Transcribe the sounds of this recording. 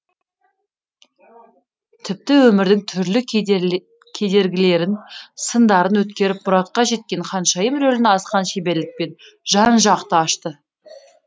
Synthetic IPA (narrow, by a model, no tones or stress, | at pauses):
t̪ʰɪp̚t̪ɪwɵmɪɾd̪ɪŋt̪ʰʏɾlɪ | kʲʰe̞d̪e̞ɾɡʲɪle̞ɾɪnsənd̪ɑɾənwɵt̪kʲe̞ɾɪp̚mʊɾɑt̪̚qɑʒe̞t̪̚kʲe̞ɴχɑnʃɑjəmɾɵlɪnɑsqɑnʃe̞be̞lɪk̚pe̞n | ʒ̥ɑnʒɑqt̪əɑʃt̪ə